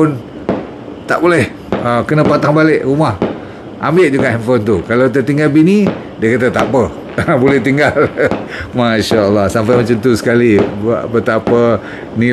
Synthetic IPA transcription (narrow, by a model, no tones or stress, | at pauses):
ʊn | t̪a̰ʔbolɛh | əkənəpat̪aŋbalɪʔrumah | ʔa̰mbɪʔ̚d͡ʒuɡaʔɛmfont̪ukalawt̪̬ət̪iŋɡalbini | diəkat̪̬ət̪aʔpə | bolɛht̪iŋɡalmaʃaəlːɑhsampajmat͡ʃant̪usə̥kalibət̪apə | ni